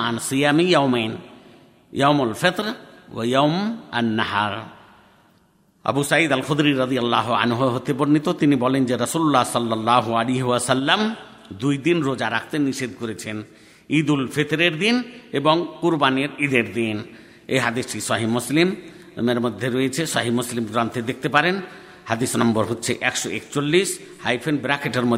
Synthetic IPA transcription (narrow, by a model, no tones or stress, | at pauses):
ansijamijawmen | jawmolfɪt̪ɾwa̰jawma̰nːaɦa̰ɾ | ɐ̰busaid̪alxʊd̪ɾiɾʌd̪ijalːaɦoa̰nɦoɦot̪eboɾnit̪ot̪inibɔlend͡ʑeɾɐsululːahsɔlːalːaːɦoaliɦiwasalːam | d̪ujd̪inɾod͡ʑaɾak̚ʰt̪eniʃed̪koɾet͡ɕʰen | id̪ulfʰet̪ɾeɾd̪ineboŋkuɾbaneɾid̪eɾd̪in | eɦad̪iʃʈisaɦimuslim | meɾmod̪ʱːeɾojet͡ɕʰesaɦimuslimɡɾant̪ʰed̪ek̚ʰt̪epaɾen | had̪isnɔmbɔɾɦotːɕʰeʔɛkʃoḛkt͡ɕolːis | hajfʰenbɾakʰeʈeɾmo